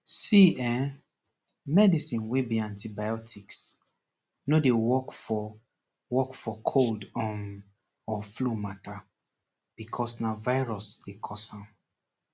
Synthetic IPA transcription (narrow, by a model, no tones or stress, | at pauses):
siɛ | mɛdisĩnwebiãntibajɔtʰiks | nodewɔkfɔ | wɔkfɔkʰoldɔ̃n | ɔflumatʰa | b̥ikʰɔsnavaɪɹɔsd̥ekʰɔsãm